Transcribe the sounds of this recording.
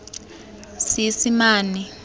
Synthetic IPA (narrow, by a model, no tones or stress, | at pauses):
sisimaːni